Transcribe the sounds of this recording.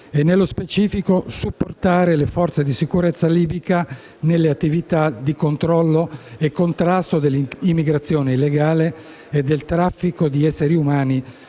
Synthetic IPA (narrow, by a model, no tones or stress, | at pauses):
enːelːospet͡ʃiːfikosupːort̪aːɾelefɔrt̪sed̪isikuɾet̪sːaliːbika | nelːeat̪ːivit̪ad̪ikont̪ɾɔlːoekːont̪ɾast̪od̪elːiimːiɡɾat̪sːjoːneilːeɡaːleː | d̪ːelt̪ɾafːikod̪iɛsːeɾiumaːni